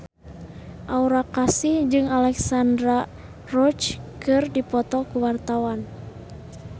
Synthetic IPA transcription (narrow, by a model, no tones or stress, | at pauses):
ʔauɾakasid͡ʒɨŋalɛksandɾa | rɔt͡ʃkɨrdipɔt̪ɔkuwart̪awan